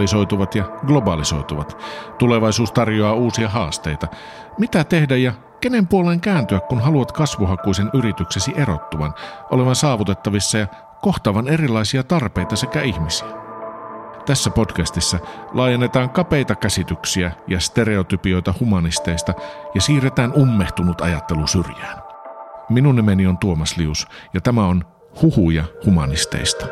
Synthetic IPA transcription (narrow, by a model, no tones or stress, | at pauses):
iso̞jt̪uʋɑt̪jɑɡlo̞bɑliso̞̰jt̪uʋɑt̪t̪ule̞ʋɑjsuːst̪ɑrjoɑːuːsiɑɦɑːst̪e̞̰jt̪ɑ | mit̪æt̪e̞hdæjɑ | kene̞mpuoleːŋkæːnt̪yækkunɦɑluʋɑt̪kɑsʋuɦɑkujsenyɾit̪ykse̞siʔe̞ɾo̞̰t̪ːuʋɑ̰nʔo̞le̞ʋɑnsɑːʋut̪e̞t̪ːɑʋisːɑjɑ | ko̞ht̪ɑːʋɑne̞rilɑjsiɑt̪ɑrpe̞jt̪ɑsekæihmisiæ | t̪æsːæpo̞dkæst̪isːælʔɑːjenːe̞t̪ɑːŋkɑpe̞it̪ɑkæsit̪yksiæjɑst̪e̞ɾe̞ot̪ypio̞jt̪ɑhumɑnist̪e̞ist̪ɑjɑsiːret̪æːnumːeht̪unut̪ɑ̰jɑt̪ːe̞lusyrjæːn | minunːemenio̞nt̪uomɑsliusjɑt̪æmæo̞n | huhujɑhumɑnist̪ḛist̪ɑ̥